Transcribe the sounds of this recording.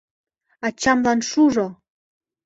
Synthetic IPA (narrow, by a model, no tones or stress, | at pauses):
ɑt͡ɕɑmlɑnʃuʒo